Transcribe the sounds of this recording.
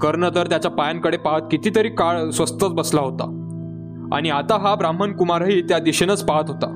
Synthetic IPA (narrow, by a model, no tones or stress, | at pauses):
kəɾɳət̪əɾt̪jat͡ɕjapajaŋkəɽepaɦət̪kit̪iːt̪əɾiːkaɭsʋəst̪ət͡sbəslaɦot̪a̰ | a̰ɽ̃iat̪aɦabɾam̤ənkumaɾɦiːt̪jad̪iɕenət͡spaɦət̪ɦot̪a̰